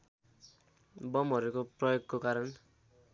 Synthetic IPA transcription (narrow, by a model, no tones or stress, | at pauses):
bʌmʌɾukoprʌjoɡkokaɾʌn